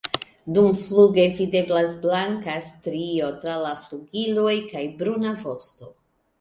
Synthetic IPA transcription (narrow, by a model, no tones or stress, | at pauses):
dumfluɡe̞vide̞blasblaŋkastɾio̞tɾalafluɡilo̞jkajbɾunavo̞sto̞